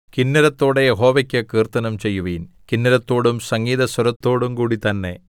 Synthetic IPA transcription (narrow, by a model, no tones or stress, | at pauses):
kinːɐɾɐt̪ːoːɽejeɦo̞ːʋɐkʲːɐkiːrt̪ɐnɐmt͡ɕe̞jːuʋiːn | kinːɐɾɐt̪ːo̞ːɽumsɐŋɡiːðɐswɐɾɐt̪ːo̞ːɽumkuːɽit̪ɐnːe̞